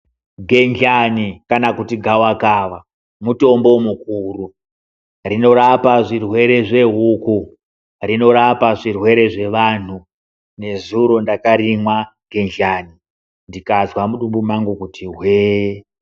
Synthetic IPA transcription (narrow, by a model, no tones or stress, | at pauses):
ɡʱe̞nd͡ʒanikanakutiɡʱawakaːʋa | muto̞mbo̞mukuru | rino̞ɾapaʐirwe̞ɾe̞ʐe̞ɦuku | rino̞ɾapaʐirwe̞ɾe̞ʐe̞ʋan̤u | ne̞zuɾo̞ndakaɾimwaɡ̥ʱe̞nd͡ʒani | ndikazwamuɗumbumaŋɡukutiɦweː